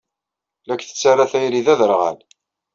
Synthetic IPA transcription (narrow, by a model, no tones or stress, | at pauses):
lækːθə̥t͡sːarːaθæjliðæðəɾʁə̰l